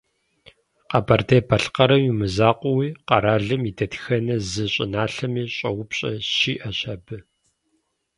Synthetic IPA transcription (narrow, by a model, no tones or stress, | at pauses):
qɐbɐrdepʰɐɬqɐɾɐmimɨzaːqʷʊwiːqɑɾaːɮɨmidɐtxɐnɐzɨɕʼɪ̰naːɬɐmiːɕʼɐwʊpɕʼɐ̰ɕiːʔɐɕɐbɨ